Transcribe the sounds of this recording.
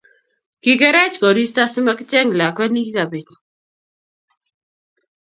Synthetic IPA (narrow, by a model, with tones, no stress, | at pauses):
ki˦kɛ˦ɾɛ˦t͡ʃkɔ˨ɾi˦sta˦sɪ˦ma˦kɪ˦t͡ʃɛ˦ŋla˨kwɛ˦ni˦ki˦ka˨be˨t͡ʃ